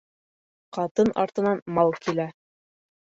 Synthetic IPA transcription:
qɑt̪ɤnɑ̰ɾt̪ɤ̆nɑnmɑlˠkilæ

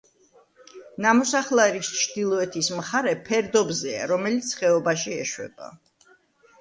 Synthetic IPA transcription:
namɔsaχlˠaɾist͡ʃʰd̪ilˠɔɛt̪ʰismχaɾɛpʰɛɾd̪ɔbzɛa̰ɾɔmɛlit̪sʰχɛɔbaʃiɛ̰ʃwɛ̰ba̰

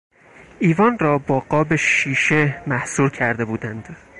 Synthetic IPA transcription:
ʔiːvɒːnrɒːbɒːɡɒːbe̞ʃiːʃe̞mæhsuːɾcʰæɾd̪e̞buːd̪ænd̪̥

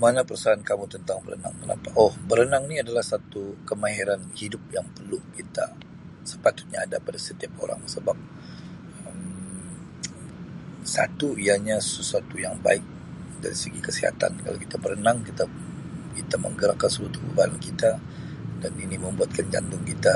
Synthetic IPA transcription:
manapərsaankamut̪ənt̪aŋbəɾə̰na̰ŋt̪əna̰paʔɔhbəɾənaŋniadalahsat̪ukəmaɦiɾanhidʊp̚jaŋpərlukit̪a̰ | sə̥pat̪ʊ̥t̪̚ɲa̰ːdapadasət̪iapo̰ɾa̰ŋsəbap̚ | əm | sa̰t̪uijaɲasəsuat̪ujaŋba̰ɪk̚ | da̰ɾḭsəɡikəsiɦa̰t̪a̰nkala̰kit̪abəɾənaŋkit̪a | kit̪amə̰ŋɡəɾakːansəlat̪ʊbə̰balankit̪a | daniniməmbuat̪̚kand͡ʒa̰nd̪ʊŋkit̪a

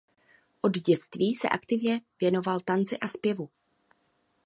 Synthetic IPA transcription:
ʔo̞dɟɛt͡st̪viːsɛ̰ʔakt̪ɪvɲɛvjɛno̞valt̪ant͡sɪʔaspjɛvu

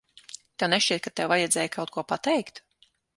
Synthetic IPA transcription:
t̪ɛwnɛʃt͡ʃiɛt̪̚kat̪ɛwvajad̪zɛːjkʰawt̪kuɔpat̪ɛjkt̪

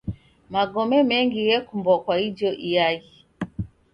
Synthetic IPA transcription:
maɡɔmɛmɛŋɡijɛkumbɔkwaid͡ʒɔʔijai

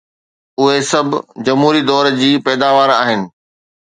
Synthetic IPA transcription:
ʊɦesɐbʱd͡ʑɐmɦuːɾid̪ɔːɾd͡ʑiːpɛːd̪aːʋaːɾaːɦɪnɪ̆

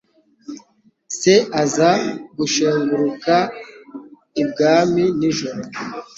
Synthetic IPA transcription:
seazaɡuʃeβuɾuka | ib̚ɡaːminiʒoɾo

